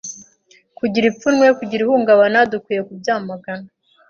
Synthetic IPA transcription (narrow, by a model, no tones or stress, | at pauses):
kuɟiɾip͡funwekuɟiɾihuŋɡaβanadukwiːje̞kubjaːmaɡana